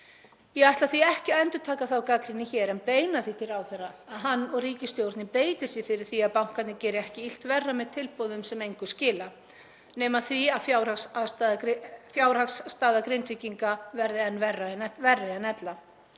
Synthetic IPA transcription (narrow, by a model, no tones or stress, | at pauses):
jɛɣajht̪laθiɛhcɪɛnt̪ʏ̥t̪ʰaːkaθawkakɾɪnɪçɛːɾɛnpeːjnaθit̪ʰɪlɾawθɛraːðɦanːɔɣriːcɪst̪jowɾt̪nɪpeːjt̪ɪsjɪfɪɾɪɾ̥θiaðpawŋ̥kat̪nɪcɛːɾɪɛhcɪil̥t̪vɛrːamɛðt̪ʰɪlpɔðʏmsɛmejŋkʏ̥scɪːla | nɛːmaθviaðfjawɾassfjawɾ̥haksːt̪aːðakɾɪnt̪vɪciŋkavɛɾðɪɛnvɛrːaɛvɛrːajanɛt̪la